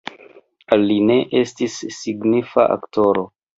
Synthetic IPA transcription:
alːine̞ʔe̞stisːiɡnifa̰ʔa̰kto̞ɾo

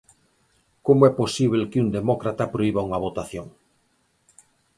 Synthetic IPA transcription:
komoɛposiβ̞elkɪund̪emɔkɾat̪apɾoiβauŋaβot̪aθjoŋ

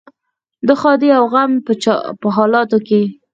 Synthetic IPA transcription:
d̪əxɑd̪eawɣampə̰pəɦɑlɑt̪oke

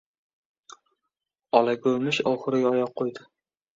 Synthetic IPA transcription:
ɒlˠaɡʲɵlmɪʃɒwχɨɾɪɡʲaɒjɒqʰːojd̪ɪ

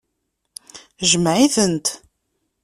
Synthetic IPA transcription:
ʒəmʕiθənt̪

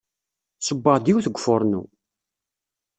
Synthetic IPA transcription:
səbːəʁd̪iwθəɡʷːfoɾˤnṵ

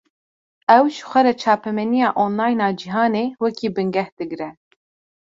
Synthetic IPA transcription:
ɛwʒɨ̥xʷɛɾɛt͡ʃʰɑːpʰɛmɛnijɑːʔonlɑːjnɑːd͡ʒiɦɑːneːwɛkʰiːbɨŋɡɛhd̪̥ɨɡɾɛ

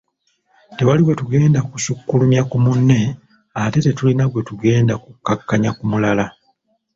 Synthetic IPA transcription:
te̞waliwe̞tuɡe̞ːndakusukːulumjakumunːe̞ | ate̞te̞tulinaɡwe̞tuɡe̞ːndakukːakːaɲakumulala

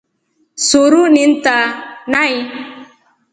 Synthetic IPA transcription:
soɾunin̩tanai

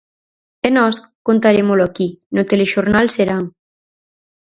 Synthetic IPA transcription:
enɔs | kont̪aɾemoloakinot̪eleʃoɾnalseɾaŋ

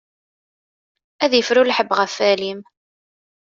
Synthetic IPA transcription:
æðjəfɾulħəbːʁəfælim

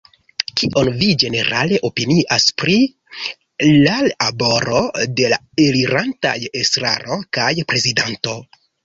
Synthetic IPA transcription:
kiʔo̞nvid͡ʒe̞ne̞ɾa̰le̞ʔo̞piniʔaspɾi | lalabo̞ɾo̞de̞la | eliɾanta̰je̞stɾa̰ɾo̞kajpɾe̞zidanto̞

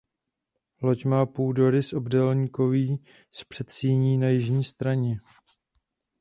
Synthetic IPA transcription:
lo̞cmaːpuːdo̞ɾɪsʔobdɛlɲiːko̞viː | spr̥ɛt̪siːɲiːnajɪʒɲiːst̪ɾaɲɛ

